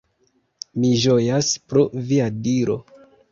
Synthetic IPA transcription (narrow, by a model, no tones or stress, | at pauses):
miʒojaspɾoviadiɾo̞̰